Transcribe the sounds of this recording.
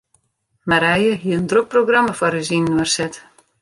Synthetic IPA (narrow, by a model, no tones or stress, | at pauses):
maɾɛjəɦiəəndrok̚proɡraməfɔɾysinnərsɛt